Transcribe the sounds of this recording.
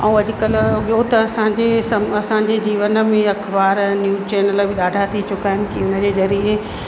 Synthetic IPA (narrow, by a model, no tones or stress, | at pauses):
ɐ̃ũɐʄɪkəlɓijot̪ɐɐsãɲd͡ʑesɐmɐsãːd͡ʑed͡ʑiːʋənə̆mẽɐkʰbaːɾnjuːt͡ɕɛːnəlbʱɪɗaːɖʱat̪ʰit͡ɕʊkaːɪnɪkiʊnəd͡ʑeːzɐɾiɦe